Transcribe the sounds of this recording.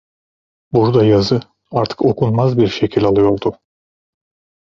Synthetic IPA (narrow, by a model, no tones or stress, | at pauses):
buɾd̪ajazɯ | aɾt̪ʰɯ̥ko̞kʰunmazbiɾʃecʰilʲalˠɯjo̞ɾd̪u